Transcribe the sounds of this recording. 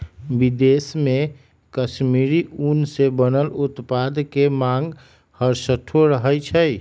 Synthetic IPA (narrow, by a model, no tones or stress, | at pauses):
bid̪esmẽ | kəʃmiɾiʔunsebənəlʊt̪pad̪kemãŋɡ | həɾsəʈʰoɾəɦət͡ʃʰəj